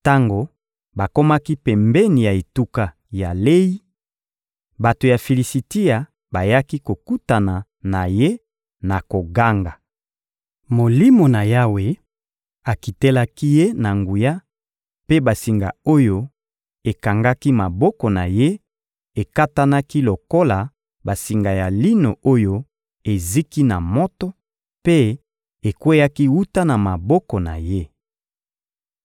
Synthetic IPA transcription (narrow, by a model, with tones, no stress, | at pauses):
ta˦ŋɡo˨ | ba˨ko˦ma˦ki˦pɛ˨mbɛ˦ni˨ja˨e˨tu˦ka˦˨ | ja˨le˦ji˦ | ba˨to˨ja˨fi˨li˨si˨ti˦a˨ | ba˨ja˦ki˦ko˨ku˦ta˨na˨ | na˨je˦ | na˨ko˨ɡa˦ŋɡa˨ | mo˨li˦mo˨na˨ja˦we˨ | a˨ki˨te˦la˦ki˦je˦na˨ŋɡu˨ja˦ | pe˦ba˨si˨ŋɡa̰˨o˦jo˦ | e˨ka˨ŋɡa˦ki˦ma˨bɔ˦kɔ˨na˨je˦ | e˨ka˦ta˦na˦ki˦lo˨ko˦la˨ | ba˨si˨ŋɡa˨ja˨li˦no˨o˦jo˦ | e˨zi˦ki˦na˨mɔ˦tɔ˦ | pe˦ | e˨kwe˦ja˦ki˦wu˦ta˦na˨ma˨bɔ˦kɔ˨na̰˨je˦